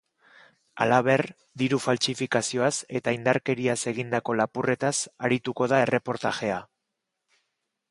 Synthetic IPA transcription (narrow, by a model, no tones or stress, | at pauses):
a̰laβe̞r | d̪iɾufalsifikasio̞ase̞t̪aind̪aɾke̞ɾiase̞ɣind̪ako̞lapure̞t̪asaɾit̪uko̞ð̞ae̞re̞po̞ɾt̪axe̞a